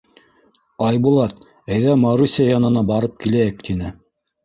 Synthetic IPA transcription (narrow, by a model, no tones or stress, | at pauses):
ɑjbulˠɑt̪ | æjðæmɑɾusʲijajɑnɤ̆nɑbɑɾɤp̚kilæjɘkt̪inɘ